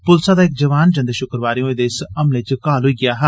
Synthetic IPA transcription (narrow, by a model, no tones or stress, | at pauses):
pʊlsaːd̪aːɪk̚d͡ʒəʋaːnd͡ʒə̃nd̪ʃʊkɾəʋaːɾijõːed̪eɪsəmleːt͡ʃəkaːlɦʊiːɡɪjaːɦɛ